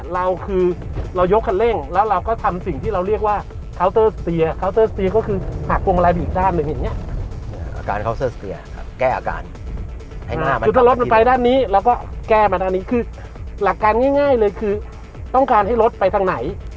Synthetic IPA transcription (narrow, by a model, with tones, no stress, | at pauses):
ɾa˧wkʰɯː˧ɾa˧wjo˦˥kʰːa˧˩le˥˩ŋlɛː˦˥wɾa˧wkɔː˥˩t̪ʰa˧msi˨˩ŋt̪ʰiː˥˩ɾa˧wɾi˥˩ək̚waː˥˩ | kʰa˦˥wt̪ɤː˥˩st̪i˧ɐkʰa˦˥wt̪ɤː˥˩st̪i˧ɐkɔː˥˩kʰɯː˧hʰaː˨˩t̚pʰːu˧ʔa˧la˧i˨˩daː˥˩nːɯ˧ŋja˨˩ŋːi˦˥ɐʔʔa̰ː˧ka̰ː˧nkʰa˦˥wsɤː˥˩st̪ḭ˧ɐkʰa̰˦˥˩kɛː˥˩ʔa̰ː˧˩ka̰ː˧n | ha˥˩˨aː˥˩mɯ˧t̪ʰaː˥˩ɾo˦˥t̪̚m˧npa˧jdaː˥˩nːiː˦˥lɛː˦˥wkɔː˥˩kɛː˥˩ma˧t̪ʰaː˧nːiː˦˥kʰɯː˧ | la˨˩kːaː˧nŋaː˥˩jŋaː˥˩jlɤː˧jkʰɯː˧ | t̪ɔ˥˩ŋkaː˧nha˥˩jlo˦˥t̪̚pa˧jt̪ʰa˧ŋna˩˦j